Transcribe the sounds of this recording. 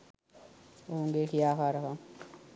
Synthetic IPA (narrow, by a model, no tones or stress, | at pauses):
ouŋɡeːkʰijaːkaːɾəka